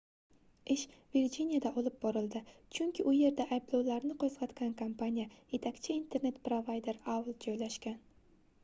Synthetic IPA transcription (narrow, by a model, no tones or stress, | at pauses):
ɪʃ | viɾd͡ʒinijad̪aʔɒlˠɪp̚bɒɾɪld̪ɪt͡ʃʰʊŋkʲʰɪʔʊje̞ɾd̪aʔajblˠawlaɾnɪqʰozʁɑt̪kʲankʰompʰanijaje̞t̪ʰakʲt͡ʃʰɪint̪ʰe̞ɾne̞t̪pɾovajd̪e̞ɾawlˠd͡ʒɒjlaʃkʲan